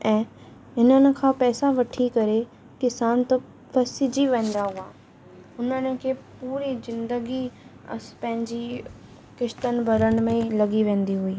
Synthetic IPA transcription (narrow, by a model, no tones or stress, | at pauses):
ɛ̃ː | ɪnənɪ̆kʰãːpɛːsaʋɐʈʰikɐɾe | kɪsaːnt̪ɐ | pʰɐsɪd͡ʑiʋẽːn̆d̪aɦuaː | ʊnənɪ̆kʰeːpuːɾizɪ̃nd̪əɡi | ɐ̰spɐ̃ɦɪ̃ɲd͡ʑi | kɪʃt̪ənbʱɐɾən̆mẽlɐɡiʋẽːn̆d̪iɦuiː